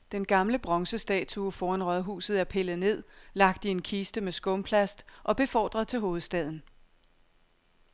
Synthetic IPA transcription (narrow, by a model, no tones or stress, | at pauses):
d̥enɡ̥ɑ̈mləb̥ʁɒ̽ŋsəsd̥ɛ̰ːt͡sʰuɒfɒːænʁɒð̩ˠɦṵːsð̩ˠæɐpʰe̝ləð̩ˠne̝ð̞̰ˠlɑ̈ɡ̥̚d̥ie̝nkʰisd̥əmesɡ̥ɔ̽mpʰlæsd̥ʔɒ̽b̥e̝fɒ̰ːd̥ʁɐðˠt͡sʰe̝lɦo̝ːð̩ˠsd̥ɛð̞̰ˠn̩